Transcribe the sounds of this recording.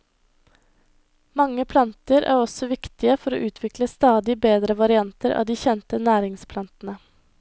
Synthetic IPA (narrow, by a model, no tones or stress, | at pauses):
mɑŋəpʰlɑnt̪əɾʔæ̰ːɾɔsɔʋɪkt̪ɪəfɔɾo̰ːʔʉːt̪ʰʋɪkləst̪ɑːd̪ɪbeːd̪ɾəʋɑɾɪɑnt̪əɾɑ̰ːd̪iːçɛnt̪ənæːɾɪŋspʰlɑnt̪n̩ə